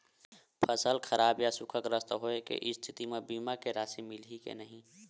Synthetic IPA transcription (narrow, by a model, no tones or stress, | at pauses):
pʰəsəlkʰəɾʔaːbjasʊkʰəkɾəst̪ɦoekḛʔɪst̪ʰɪt̪imẽbiːmakeɾaːsimɪlikḛnəɦĩː